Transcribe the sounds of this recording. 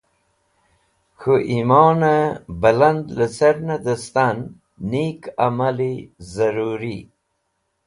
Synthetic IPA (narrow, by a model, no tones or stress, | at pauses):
xuʔimɑːnabaland̪ləsaɾnad̪əst̪anː | ikamalizaɾuɾi